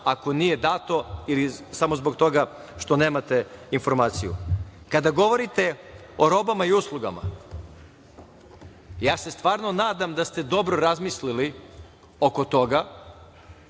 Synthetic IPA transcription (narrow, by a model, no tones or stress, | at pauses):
ako̞nije̞d̪at̪o̞ilisamozbo̞k̚t̪o̞ɡa | ʃt̪o̞ne̞ːmat̪e̞info̞ɾmaːt̪sijṵkad̪aɡo̞ʋo̞ɾit̪e̞ | o̞ɾo̞bamaiuslˠuɡa̰ma̰ | jaːse̞st̪ʋaːɾno̞naːd̪amd̪ast̪e̞d̪o̞bɾo̞ɾazmislili | o̞ko̞t̪o̞ɡa